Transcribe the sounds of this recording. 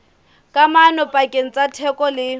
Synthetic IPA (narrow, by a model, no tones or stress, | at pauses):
kʼamanɔpʼakʼeŋ̩t͡sʼatʰɛkʼɔlɪ